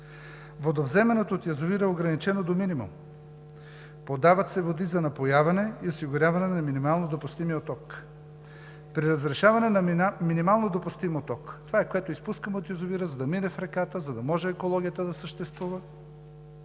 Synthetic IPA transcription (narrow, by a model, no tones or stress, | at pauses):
vod̪ovzɛmɛnot̪oːt̪jɐzoviɾəɛoɡɾɐnit͡ʃɛnod̪ominimṵm | pod̪avɐt̪sɛvod̪izɐnɐpojavɐnɛiosiɡʊɾʲavɐnɛnɐminimalˠnod̪opust̪imiot̪ɔk | pɾiɾɐzɾɛʃavɐnɛnɐminimalˠnod̪opʊst̪imot̪ɔkt̪ovaɛkoɛt̪oispuskəmɛot̪jɐzoviɾəzɐd̪ɐminɛfɾɛkat̪əzɐd̪ɐmɔʒɛːkolˠɔɡʲijət̪əd̪ɐsəʃt̪ɛst̪vuvə